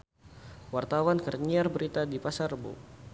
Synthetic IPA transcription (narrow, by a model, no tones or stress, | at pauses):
wart̪awankərɲiarbəɾit̪adipasarəbṵ